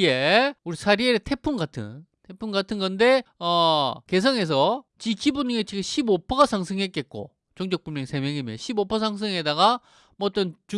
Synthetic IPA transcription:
ieuɾisʰaɾieɾetʰe̞pʰuŋɡatʰɯ̰n | tʰe̞pʰumɡatʰɯnɡʌnde̞ʌke̞s̬ʰʌŋe̞s̬ʰʌt͡ɕikibuɲɯŋet͡ɕiɡɯɕʰibopʰʌɡasʰaŋs̬ʰɯŋɦe̞t̚k͈e̞t̚k͈o̰ | t͡ɕʌŋd͡ʑʌk̚p͈umjʌŋsʰe̞mjʌŋimjʌɕʰibopʰʌs̬ʰaŋs̬ʰɯŋɦedaɡa | mʌʌt͈ʌnt͡ɕu

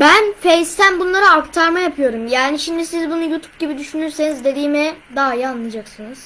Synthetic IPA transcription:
bænfejst̪ʰænbunlˠaɾɯaɾkt̪ʰaɾmajapʰɯjo̞ɾumjaːniʃimd̪isizbunujuːt̪ʰu̥p̚ɟibid̪yʃynyɾse̞nizd̪e̞d̪iːmɛd̪aːjanlːˠɯd͡ʒaksɯnɯz̥

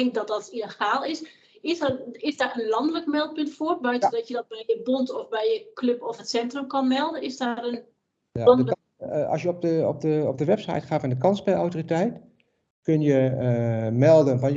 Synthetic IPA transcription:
ɪŋkdɔt̚dɔtiləxaːlˠɪs | ɪsɪsdaːrənlɔndələkmɛlˠt̚pʏntfoːrbœɥtədɔtjədɔt̚bɛjjəbontɔfbɛjjəkløpɔfətsɛntrəmkɔnmɛlˠdənɪsdarən | aɔnlə | ɑ̰sjəɔp̚dəɔp̚dəɔp̚dəʋɛpsa̰jtχaːfɔndəkɑnspɛlawtoritɛjt | kønjə | mɛlˠdənʋɑn

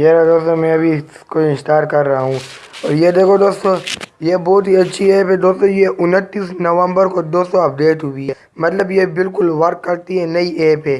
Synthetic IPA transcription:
meːɾad̪oːst̪õmɛ̃ɐbʱikoɪ̃nsʈ̪aːɾkɐɾːɐɦaɦũɔːɾjed̪eːkʰod̪oːst̪õjebɔːt̪ɦiɐtːʃʰieːpɦɛ̃d̪oːst̪õjeʔʊnət̪ːiːsnɐʋə̃mbəɾkod̪oːsoɐp̚ɖeːʈɦʊʋiɦɛ | mɐt̪ləbjebɪlkʊlʋɐɾkːɐɾt̪iɦɛnɐiʔeːpe

